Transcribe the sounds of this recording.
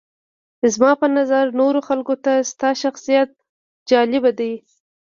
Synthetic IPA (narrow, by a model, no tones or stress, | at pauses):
zmɑpənazaɾnoɾoxalkot̪ast̪ɑʃaxsijat̪̚ | d͡ʒɑlɪbad̪aj